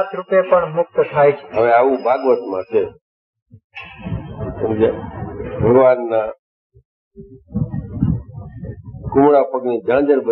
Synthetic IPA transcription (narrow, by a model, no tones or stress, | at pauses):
t̪ɾupjepəɳmʊk̚t̪t̪ʰajt͡ʃʰe̥ɦəʋeaʋũbʱaɡʋət̪mãt͡ʃʰe | əmd͡ʒebʱəɡʋanːa | kʊmɽapəɡnid͡ʒãd͡ʒəɾbə